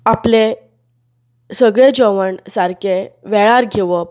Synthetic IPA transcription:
aple | səɡɭed͡ʑəʋəɳsaɾkeʋeɭaɾɡʱeʋə

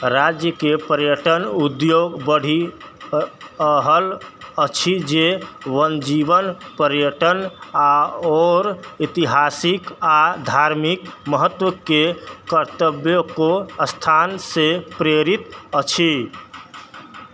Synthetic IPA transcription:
ɾad͡ʒjəkepəɾjəʈənud̪joɡbəɽ̤ʱi | əɦələt͡ʃʰid͡ʒewənd͡ʒibənpəɾjəʈənaɔɾit̪iɦasikad̪ʱaɾmikməɦət̪ːwəkekəɾt̪əbjokost̪ʰansepɾeɾit̪ət͡ʃʰi

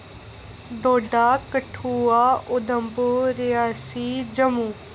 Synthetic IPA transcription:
d̪oːɖaːkəʈʰuːaːʊd̪əmboːɾɪjaːsiːd͡ʒəmuː

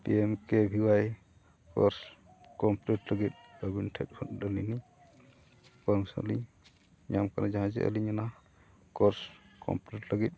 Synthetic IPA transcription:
ʈiɛmkɛbʱiwaj | kɔɾs | kɔmplɛtləɡit̪̚əbinʈʰɛ̰t̚hɔt̪̚lənini | pɔmsɔ̰liɲ | ɲamkaɾad͡ʒaɦãd͡ʒɛ̰ʔə̰liɲana | kɔɾskɔ̰mpɾɛʈləɡit̪̚ˀ

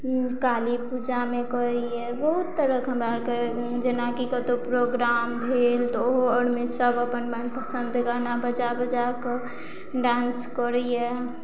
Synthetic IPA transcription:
kaːlipud͡ʒamekɔɾi | ɛbəɦut̪ːəɾəkɦəmɾaɾke | d͡ʒənakikət̪opɾoɡɾaːmbʱelt̪oɦɔɽmesəbəpənmanpəsə̃nd̪ɡanabəd͡ʒabəd͡ʒak | ɖãːnskɔɾiɛ

